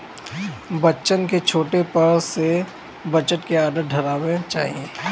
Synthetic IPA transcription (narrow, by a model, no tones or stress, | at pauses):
bɐtːt͡ʃənket͡ʃʰoːʈepɐɽse | bət͡ʃəʈkeaːɖəɾ̚ɖʱɐɾaːwet͡ʃa̰ːɦiẽː